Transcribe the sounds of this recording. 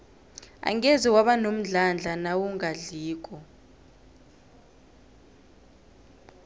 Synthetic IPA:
a̰ŋɛziwaɓanom̩ɮand͡ɮʱanawuŋaɮiːk̬ʼɔ

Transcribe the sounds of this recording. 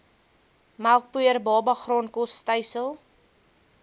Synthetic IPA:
mælˠk̚puərbɑːbɐχroːnkɔstəjsəlˠ

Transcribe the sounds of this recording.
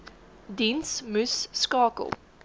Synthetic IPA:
dinsmʉsːkɑːkə̰lˠ

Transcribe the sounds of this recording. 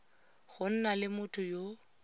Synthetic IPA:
ɣʊn̩nalɪmʊtʰʼʊjo

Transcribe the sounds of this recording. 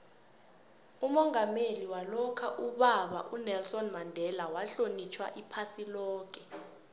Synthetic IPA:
umɔŋameliwalɔkʰaʔuɓaɓa̰ʔunɛlsɔnmandʱɛlawaɬonit͡ʃʰwa̰ʔipʰasilɔːk̬ʼɛ

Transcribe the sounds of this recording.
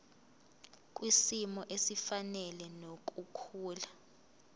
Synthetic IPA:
k̬ʼwisimɔʔesifanɛlɛnok̬ʼukʰuːla

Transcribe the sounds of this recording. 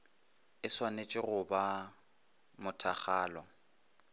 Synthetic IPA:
ɪswanet͡ʃʼɪɣʊba | mʊtʰa̰χaːlɔ

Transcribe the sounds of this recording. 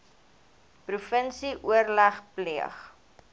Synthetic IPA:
prufənsiʔuərlæχpliəχ

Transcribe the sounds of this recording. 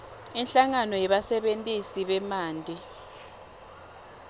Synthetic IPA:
inɬaŋanɔjɛɓasɛɓentʼisiɓɛmaːndʱʼi

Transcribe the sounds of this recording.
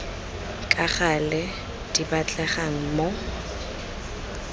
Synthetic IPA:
kʼaχalɛ | d̥ibat͡ɬʼɛχaŋ̩mo

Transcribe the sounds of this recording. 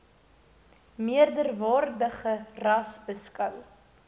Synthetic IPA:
miərdərvɑːrdəχərɐsbəskœw

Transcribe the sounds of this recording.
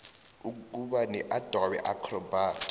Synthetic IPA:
uk̬ʼuɓanɛʔad̥ʱwawɛ̰ʔakʰrɔbʱaːtʰʼ

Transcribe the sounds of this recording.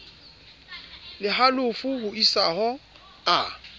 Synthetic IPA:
lɪɦalʊfʊhʊisaɦɔ | a

